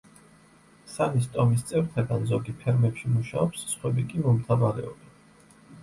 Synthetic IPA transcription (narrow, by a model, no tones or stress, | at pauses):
sanist̪ʼɔmis̬t̪sʼɛvɾt̪ʰɛɡanzɔɡipʰɛɾmɛpʃimuʃaɔpsːχwɛbikʼimɔmt̪ʰavaɾɛɔbɛn